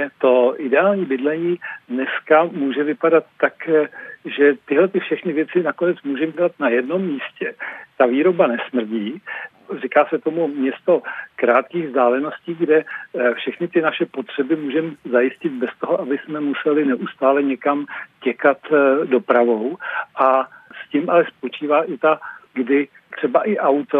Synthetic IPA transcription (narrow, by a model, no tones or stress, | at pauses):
t̪o̞ʔɪdɛaːlɲiːbɪdlɛɲiːdnɛskamuːʒɛvɪpadat̪ːak | ʒɛt̪ɪɦlɛt̪ɪfʃɛxnɪvjɛt͡sɪnako̞nɛt͡smuːʒɛmɟɛlat̪najɛdno̞mːiːscɛt̪aviːɾo̞banɛsmr̩ɟiː | rikaːsɛt̪o̞mumɲɛst̪o̞kɾaːt̪kiːɣvzdaːlɛno̞sciːɡdɛfʃɛxnɪt̪ɪnaʃɛpo̞t̪r̝̥ɛbɪmuːʒɛmzajɪscɪt̪̚bɛst̪o̞ɦoʔabɪsmɛmusɛlɪnɛʔust̪aːlɛɲɛkamcɛkat̪do̞pɾavo̞wʔascɪmʔalɛspo̞t͡ʃiːvaːʔɪt̪aɡdɪ | t̪r̝̥ɛbaʔɪʔawt̪o